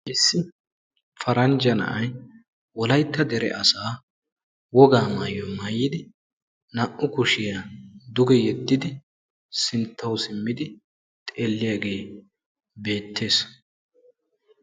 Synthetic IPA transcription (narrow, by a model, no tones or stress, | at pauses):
ʔɪsːɪ | fɐɾɐnd͡ʒɐnɐ̰ʔɐj | wɔlɐjt̪ːɐd̪ɛɾɛ̰ʔɐsaː | wɔɡaːmaːjɔmɐːjɪd̪ɪ | nɐʔʊkʊʃɪjad̪ʊɡɛjɛt̪ːɪd̪ɪ | sɪnt̪ʰːɐwsɪmːɪd̪ɪ | t̪ʼeːlːɪjaːɡe̞ː | be̞ːt̪ʰːe̞ːs